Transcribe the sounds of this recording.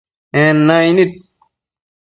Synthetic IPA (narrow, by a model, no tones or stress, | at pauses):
enːainit̪̚